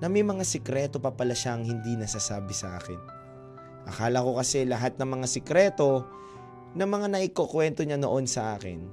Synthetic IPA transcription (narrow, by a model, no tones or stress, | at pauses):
nɐmɛjmɐŋasɛkɾɛt̪o̞pɐpɐlɐʃaʔɐŋhɪnd̪inɐsasaːbɪsɐʔa̰ːkɪ̰n | ʔɐkaːlɐko̞kɐsɛlɐɦat̪̚nɐŋmɐŋasɛkɾɛt̪o̞ | nɐŋmɐŋanɐʔɪkokwɛnt̪o̞ɲanoʔo̞nsɐʔaːkɪ̰n